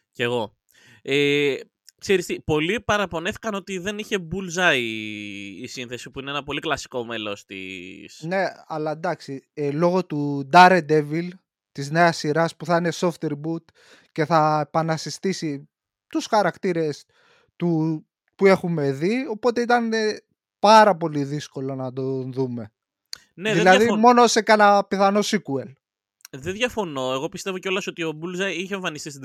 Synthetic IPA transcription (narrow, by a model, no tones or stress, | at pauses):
ceɣo̞ | e | kseɾist̪ipo̞lipɐɾɐpo̞neθi̥kɐno̞t̪iðe̞niçe̞bulzɐiː | sinθe̞sipuineenɐpo̞liklɐsi̥ko̞melo̞st̪ḭsne̞ɐlɐend̪ɐksilo̞ɣo̞t̪ud̪ɐɾe̞d̪e̞vil | t̪izne̞ɐsːiɾɐspuθɐine̞so̞ft̪eɾbut̪ | ce̞θɐepɐnɐsist̪isi | t̪usxɐɾɐkt̪iɾe̞s | t̪u | pue̞xume̞ðio̞po̞t̪e̞it̪ɐne | pɐɾɐpo̞liðisko̞lo̞nɐd̪o̞nðume̞ | neððilɐðimo̞nosekɐnɐpiθɐno̞sikuel | ðenðʝɐfo̞no̞e̞ɣo̞pist̪evo̞ceo̞lɐso̞t̪io̞bulzɐiçẽɱfɐnistist̪id̪